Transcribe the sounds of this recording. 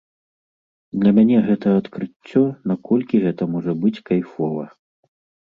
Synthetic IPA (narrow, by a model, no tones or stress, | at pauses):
d̪lʲɐmʲanʲɛɣɛt̪ɐɐt̪kɾɨt͡sʲːɔnakɔlʲkʲiɣɛt̪ɐmɔʐɐbɨt͡sʲkajfɔvɐ̰